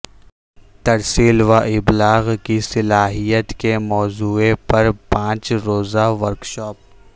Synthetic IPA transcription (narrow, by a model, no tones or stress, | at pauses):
t̪ɐɾsiːlʋaʔɪblaːɣkisɪlaːɦijət̪kemɔːzuːepɐɾpãːt͡ʃɾoːzaʋəɾkʃɔːp̚